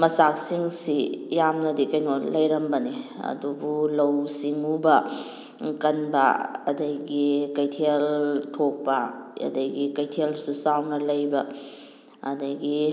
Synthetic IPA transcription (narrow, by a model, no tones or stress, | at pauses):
mɐsak̚siŋsijamnɐdikɐjnolɐjɾɐmbɐniɐ̰dubulɐwsiŋubɐ | kɐnbɐ̰ɐdɐjɡikɐjtʰeltʰok̚pɐɐ̰dɐjɡikɐjtʰelsusawnɐlɐjbɐː | dɐjɡi